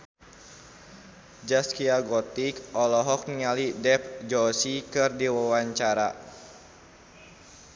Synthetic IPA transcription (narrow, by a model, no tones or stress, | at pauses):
d͡ʒaskiaɡɔt̪ikɔlɔɦɔk̚niŋalidɛp̚d͡ʒɔsikɨrdiwawaɲt͡ʃaɾa